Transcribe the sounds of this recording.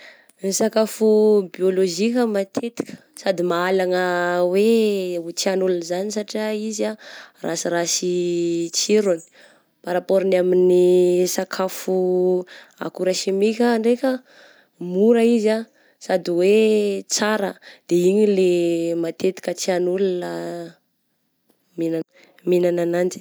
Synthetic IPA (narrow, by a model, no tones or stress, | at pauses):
nisakafubioloʒikʲəmat̪ʰet̪i̥kə̥sad̪imaalaŋəwet͡sianulunzanisaʈ͡ʂaizarasiɾasit͡siɾani̥ | paɾapoɾinaminisakʰafu | a̰kuɾaʃimikʲaːɳɖ͡ʐekʲə | muɾəiza | sad̪iwet͡saɾə̰d̪̥eiɲilemat̪et̪i̥kʲət͡sianulunə | mina | minananand͡ʒi̥